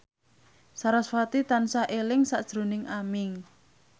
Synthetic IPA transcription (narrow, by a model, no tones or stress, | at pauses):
saɾasfat̪it̪ansaʔelɪŋsaʔd̥ʒ̥ɾo̤nɪŋʔamɪŋ